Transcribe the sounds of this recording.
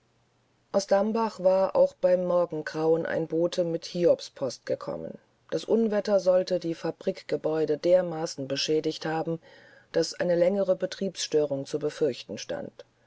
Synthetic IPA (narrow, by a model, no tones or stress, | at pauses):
ʔaʊsd̥ambaχv̥aːɐʔa̰ʊxb̥aɪmːɔɐɡŋ̩ɡʁaʊənʔa̰ɪnboːtʰəmɪthiːɔpspʰɔst̚ɡ̥əkʰɔ̰mə̰n | d̥asʔʊnvɛtɐzɔltədiːfab̥ʁiːkɡ̥əbɔʏdədeːɐmaːsn̩bəʃɛːdɪçthaːbm̩ | d̥asʔa̰ɪnəlɛŋəʁəbətʁ̥iːpsʃtøːʁʊŋt͡subəfʏɐçtn̩ʃta̰nt